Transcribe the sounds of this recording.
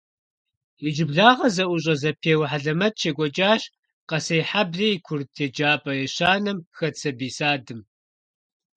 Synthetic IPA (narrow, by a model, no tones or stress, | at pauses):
jid͡ʒɪbɮaːʁɐzɐʔʷʊɕʼɐzɐpʰeːwħaɮɐmɐt̚t͡ʃʰeːɡʷɔt͡ʃʼaːɕ | qɐsɐjħabɮijikʷʰʊrtʰeːd͡ʒaːpʼɐjɛɕaːnɐmxɐt͡sʰɐbiːsaːdɨm